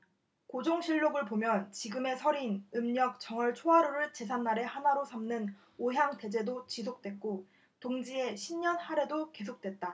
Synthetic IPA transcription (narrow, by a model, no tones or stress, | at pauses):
kod͡ʑoŋɕʰiʎːoɡɯɭpomjʌnt͡ɕiɡɯme̞sʰʌɾinɯmɲʌk̚t͡ɕ͈ʌŋʌɭt͡ɕʰoɦaɾoɾɯɭt͡ɕe̞sʰanːaɾe̞hanaɾosʰamnɯn | oɦjaŋte̞d͡ʑe̞dot͡ɕis̬ʰok̚t͈we̞k̚k͈o | toŋd͡ʑie̞ɕʰimɲʌnhaɾe̞doke̞sʰok̚t͈we̞t̚t͈a